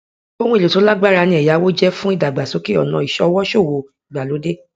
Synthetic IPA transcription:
o˦hũ˦e˨lo˨to˨˦la˦ɡ͡ba˦ɾa˧nĩ˧˦ɛ˨ja˨˦wo˦d͡ʒɛ˦fũ˦i˦˨da˨ɡ͡ba˨so˨˦ke˦ɔ˨nã˨˦i˨ʃɔ˧˦wɔ˦ʃo˦˨wo˨i˨ɡ͡ba˨lo˨˦de˦

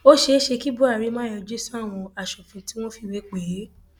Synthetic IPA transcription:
o˦ʃe˧˦ʃe˧ki˦bu˦a˦˨ɾi˨˦mã˦˨jɔ˧d͡ʒe˦sũ˦a˦˨w̃ɔ̃˧a˨ʃɔ˨fɛ̃˨ti˨˦w̃ɔ̃˦fi˧˨we˨˦k͡pe˨˦

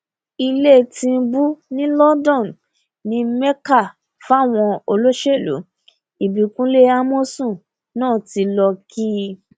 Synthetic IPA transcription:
i˧le˦˨tĩ˧n̩˦bu˦nĩ˦lɔ˦dɔ̃˦˨n | nĩ˨˦mɛ˦ka˦˨ | fw̃ɔ̃˧o˧lo˦ʃe˦˨lṵ˨˦ | i˨bi˨kũ˦le˦a˦mo˦sũ˦˨ | nãː˦˨ti˧lɔ˧kʰi˦

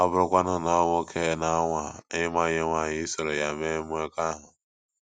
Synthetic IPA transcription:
ɔ˦bʊ˦ɾʊ˦kʷa˦nʊ˦nɔ˦wo˦kʰe˦˨na˦ŋʷa˨˦ɪ˦ma˦ɲe˦ŋʷa˦˨ɲɪ˦i˦so˨ɾe˨ja˨me˦mu˦e˦ka˦ɦʊ˨

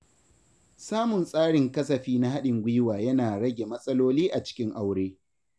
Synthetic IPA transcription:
saː˦mʊ˨nsʼaː˦ɽɪ˨ŋkɐ˦sɐ˨ɸiː˦na˦ha˦ɗɪ˨ŋɡʷiː˦waː˨jɐ˦naː˨ɽɐ˦ɡʲe˨mɐ˦sʼɐ˦loː˦liː˦ʔa˨t͡ʃɪ̥˦kʲɪ˦ŋʔa˦wɽeː˦

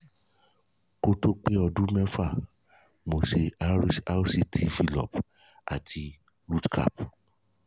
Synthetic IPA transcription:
ko˦to˦k͡pe˦ɔ˧dũ˦mɛ̃˦fa˦˨ | mo˨ʃe˨a˦ɾi˦ʃa˦si˦tʰi˦˨fi˧lɔ̰˨p | a̰˨tʰi˧ | ɾu˦tkʰa̰˦˨p

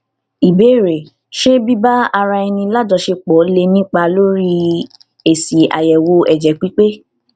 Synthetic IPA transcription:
i˨be˨˦˨ɾe˨ | ʃe˦bi˦ba˦a˧ɾa˧ɛ˧nĩ˧la˦dɔ˧ʃe˧k͡pɔ˨˦le˧nĩ˦k͡pa˧lo˦ɾi˦ | e˨si˨a̰˨jɛ˨wo˧ɛ˨d͡ʒɛ˨k͡pi˨˦k͡pe˦

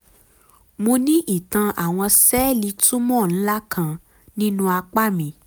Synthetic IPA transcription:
mũ˧nĩ˦ʔi˦˨tã˧ʔa˨w̃ɔ̃˧sɛː˦li˧˦tũ˦mɔ̃˦˨ñ̩˦la˦kʰã˧ | nĩ˦nũ˦a˧k͡pa˦˨mĩ˧˦

